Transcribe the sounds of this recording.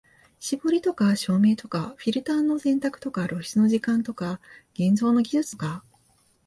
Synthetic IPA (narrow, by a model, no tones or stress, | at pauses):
ɕiboɾʲit̪o̞kaɕo̞ːme̞ːt̪o̞kaɸʲiɾɯ̟t̪ãnːo̞sẽ̞nt̪akɯ̟̥t̪o̞kaɾo̞ɕi̥t͡sɨno̞ʑikãnt̪okaɡ̥ẽ̞nd͡zo̞ːno̞ɡʲiʑɨt͡sɨ̥ka